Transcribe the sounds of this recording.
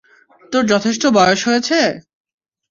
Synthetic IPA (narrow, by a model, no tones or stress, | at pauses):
t̪oɾd͡ʑɔt̪ʰeʃ̬ʈobɔjoʃɦojet͡ɕʰe